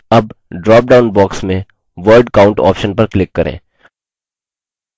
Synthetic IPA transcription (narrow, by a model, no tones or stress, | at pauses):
ɐb̚ɖɾɔːp̚ɖaːʊnbɔːksmẽ | ʋəɾɖkaːʊ̃ɳʈɔ̰ːpʃənpɐɾklɪkːɐɾḛ̃ː